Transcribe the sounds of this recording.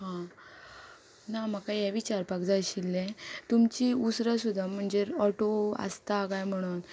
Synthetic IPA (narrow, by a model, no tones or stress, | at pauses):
hã | nam̤akajaʋit͡ɕaɾpakd͡zaɕilːɛ̃t̪umt͡ɕiusɾasud̪ʱːam̤əɳd͡zeɔʈoa̰st̪aːɡajm̤əɽ̃un